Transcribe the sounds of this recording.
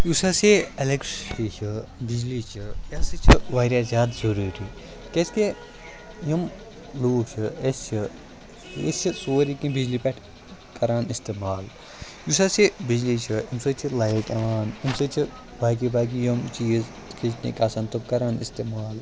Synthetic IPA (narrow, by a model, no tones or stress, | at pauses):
jusaseɐlekʈit͡ʃʰibid͡ʒlit͡ʃʰijasɨt͡ʃʰiʋaːɾjazʲaːd̪zɐɾuːɾiː | keske | jim | loːk̚t͡ʃʰiest͡ʃʰi | ḛst͡ʃʰisoːɾikĩbid͡ʒlipɐʈʰ | kɐɾaːnist̪eːmaːl | jusasebid͡ʒlit͡ʃʰiimsɨːt͡ʃʰilɐjikɐʋaːnimsɨt͡ʃʰi | bʱaːk̬ibʱaːk̬ijɐmt͡ʃʰiji | kʰit͡ʃnḛkʲaːsɐnt̪okɐɾaːnḭst̪eːmaːl